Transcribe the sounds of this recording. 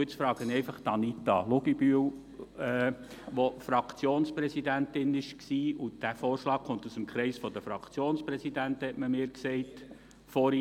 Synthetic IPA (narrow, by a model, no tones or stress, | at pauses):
ət͡sfɾɑːɡənɛɪfɑχt̪ɑnit̪ɑlʊɡibyəw | ɛ | ʋofɾɑkʰt͡sjoːnspɾɛsidæntɪnɪʃksiːud̥æfoːɾʃlɑːk̚χʊnt̪usəmkχɾɛɪsfɔd̪əfɾɑkχt͡sjoːnspɾɛsidæntəhɛtməmɪːɾksɛɪt | fɔɾi